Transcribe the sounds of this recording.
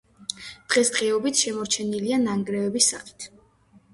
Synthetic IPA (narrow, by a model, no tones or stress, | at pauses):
d̪̥ʁɛsd̪̥ʁɛɔbit̪ʰʃɛmɔɾt͡ʃʰɛnilianaŋɡɾɛvɛbisːaχi̥t̪ʰ